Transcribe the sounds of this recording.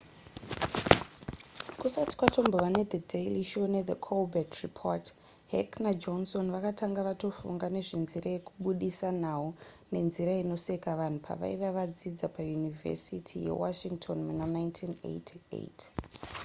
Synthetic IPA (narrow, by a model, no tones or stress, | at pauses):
kusati̥kwato̞mboʋane̞d̪edʱejliʃoned̪ekʰolbatripʰo̰t | ɦeknad͡ʒonso̞nʋakatʰaŋɡaʋato̞fṵŋɡane̞ʐinziɾaje̞kuɓuɗisan̤au | ne̞nziɾaino̞sekaʋan̤upʰa̰ʋa̰iʋaʋad͡zid͡zapajunivʱḛsitʰijḛwa̰ʃiŋtʰonmunanaintʰinḛjtʰiḛtʰ